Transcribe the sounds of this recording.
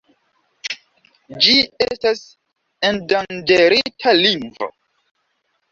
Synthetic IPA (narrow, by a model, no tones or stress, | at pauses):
d͡ʒiestas | endand͡ʒeɾitʰaliŋvo̰